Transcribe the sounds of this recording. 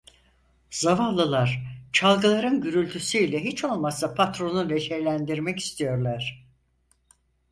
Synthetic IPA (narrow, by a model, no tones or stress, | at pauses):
z̥avanlˠɯlˠaɾ̥t͡ʃʰalˠɡɯlˠaɾɯnɟyɾylʲt̪ʰysyilʲɛɦit͡ʃʰo̞lˠmasapʰat̪ɾo̞nuleʃɛɾlʲænd̪iɾmɛci̥st̪ʰijo̞ɾlˠaɾ̝̥